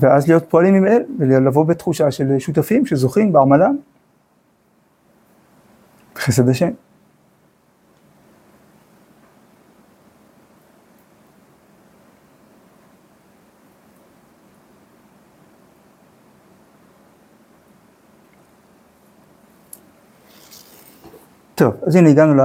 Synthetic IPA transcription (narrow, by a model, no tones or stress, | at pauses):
veʔazlijo̞t̪̚po̞alimimelvelalavo̞bet̪χuʃaʃe̞lʃut̪̬afimʃe̞zo̞χimbeaʁmalam | t̪χes̬ed̪aʃe̞m | t̪o̞vaziniɡanula